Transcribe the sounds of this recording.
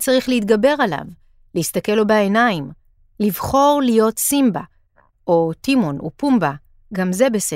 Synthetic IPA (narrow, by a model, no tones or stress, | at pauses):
t͡saʁiχleit̪̚ɡabe̞ʁala̰v | lehistake̞lo̞baenaim | livχo̞ʁlijo̞tsimba | ʔo̞timonṵpumba | ɡamze̞bese